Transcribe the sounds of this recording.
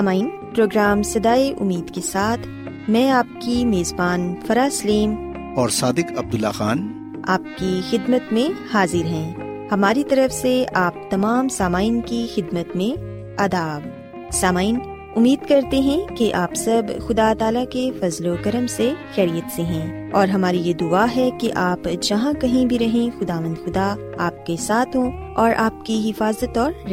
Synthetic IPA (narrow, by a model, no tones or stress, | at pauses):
saːmaːin | pɾoːɡɾaːmsɐd̪aːeʔʊmiːd̪kesaːt̪ʰ | mɛ̃ːaːp̚kimeːzbaːnfɐɾaːsɐliːm | ɔːɾsaːd̪ɪkɐb̚d̪ʊlːaxaːn | aːp̚kixɪd̪mət̪mẽhaːzɪɾɦɛ̃ː | hɐmaːɾit̪ɐɾəfseaːp̚t̪ɐmaːmsaːmaːinkixɪd̪mət̪mẽ | ɐd̪aːb | saːmaːɪn | ʊmːiːd̪kɐɾt̪eɦɛ̃keʔaːpsɐbxʊd̪at̪aːlakefɐzlokɐɾəmsexɛːɾijət̪seɦɛ̃ː | ɔːɾɦɐmaːɾijed̪ʊaːɦɛkeʔaːpd͡ʒɐɦãkɐɦĩbʱiɾɐɦẽxʊd̪aːʋə̃nd̪xʊd̪a | aːp̚kesaːt̪ʰɦõ | ɔːɾʔaːp̚kiɦɪfaːzət̪ɔːɾɾ